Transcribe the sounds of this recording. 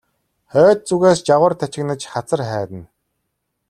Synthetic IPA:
χœːt̪̚t͡suɣeːst͡ɕaʁə̆rt̪ʰat͡ɕɪ̆knə̆t͡ɕχat͡sə̆rχæːt̪ɘ̆n

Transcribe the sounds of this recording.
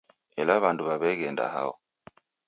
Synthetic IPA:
ɛlaβanduβaβɛɣɛnda̰ha̰ɔ̰

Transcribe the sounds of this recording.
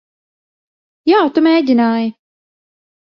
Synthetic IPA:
jaːt̪umʲeːɟʲinaːjɪ

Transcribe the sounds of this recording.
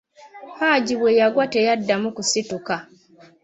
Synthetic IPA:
haːɟiβwejaɡwatejadːamukusituka

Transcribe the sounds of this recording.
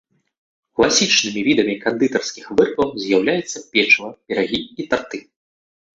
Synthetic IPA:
klˠasʲit͡ʂnɨmʲivʲid̪ɐmʲikand̪ɨt̪ɐrskʲixvɨrkɐwzʲjawlʲajɛt̪sːɐpʲɛt͡ʂvɐbʲɛɾaɣʲiit̪art̪ɨ

